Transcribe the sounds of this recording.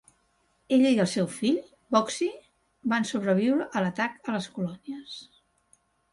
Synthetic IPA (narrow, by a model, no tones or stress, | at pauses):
eʎəiəlˠsɛwfiʎ | bɔksi | bansuβ̞ɾəβ̞iwɾəʔːlət̪akələskulɔniəs